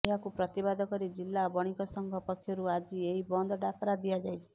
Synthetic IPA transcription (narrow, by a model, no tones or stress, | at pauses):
eɦakupɾɔt̪ibad̪ʱɔkɔɾid͡ʒilːabɔɽ̃ikɔsɔŋɡʱɔpɔkʰjɔɾuad͡ʒieɦibɔnd̪ʱɔɖakɔɾad̪iad͡ʒajt͡ʃʰi̥